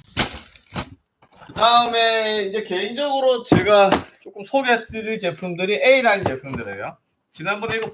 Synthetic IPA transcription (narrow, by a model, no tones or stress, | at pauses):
kɯdaɯme̞ind͡ʑe̞ke̞ind͡ʑʌɡɯɾot͡ɕeɡat͡ɕ͈ok͈ɯmsʰoɡes͈ɯɾt͡ɕe̞pʰumdɯɾiʔeiɾaɭt͡ɕe̞pʰumdɯɾejo | t͡ɕinanbune̞iɾo